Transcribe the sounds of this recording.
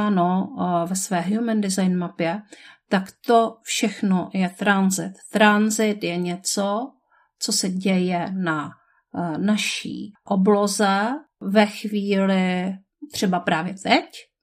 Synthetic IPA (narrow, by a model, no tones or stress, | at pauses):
anovɛsvɛːɦjumɛndɪzajnmapjɛt̪akt̪o̞fʃɛxnojɛt̪ɾanzɪt̪ːɾanzɪt̪jɛɲɛt͡so | t͡sosɛɟɛjɛna | naʃḭːʔoblozɛ | vɛxviːlɪ | t̪r̝̥ɛbapɾaːvjɛt̪ɛc